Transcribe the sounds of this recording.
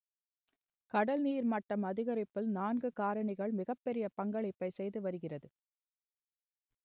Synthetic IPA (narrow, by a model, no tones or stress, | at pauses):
kɐɽɐlniːɾmɐʈːɐmɐðɪɣɐɾɪpːɪlnaːnɡɯkaːɾɐɳɪɣɐɭmɪɣɐpːɛɾɪjɐpɐŋɡɐɭɪpːɐɪsɛjðɯʋɐɾɯɣɪrɐðɯ